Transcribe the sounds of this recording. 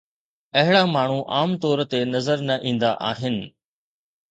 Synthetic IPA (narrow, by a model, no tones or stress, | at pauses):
ɐɦɪɽamaːɳ̤uʔaːmt̪ɔːɾt̪enɐzəɾnɐʔĩːn̆d̪aʔaːɦɪnɪ̆